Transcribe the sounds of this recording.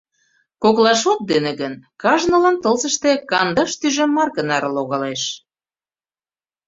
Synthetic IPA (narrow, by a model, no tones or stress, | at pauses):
koklɑʃot̪̚d̪enĕɣənkɑʒnɤ̆lɑnt̪əlzə̆ʃt̪ĕkɑnd̪ɑʃt̪yʒĕmːɑrɣənɑɾɤloɣɑleʃ